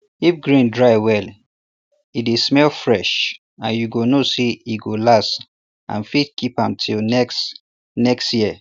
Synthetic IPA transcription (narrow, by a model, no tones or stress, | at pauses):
ifɡɹĩndɹaɪwɛl | idismɛlfɹɛʃ | ãnjuɡonoseiɡolas | ʔã̰nfit̚kʰipãmtʰilnɛks | nɛkstjiə